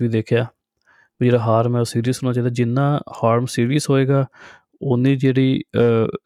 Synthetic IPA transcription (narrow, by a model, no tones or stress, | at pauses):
ʋiːd̪eːkʰjaː | d͡ʒeːɽaːɦaːɾmɛ̃ːsiːɾiːsʊɾnaːt͡ʃaːiːd̪aːd͡ʒɪnːãːhaːɾmsiːɾiːsɦoːeːɡaː | ʊnĩːd͡ʒeːɽiː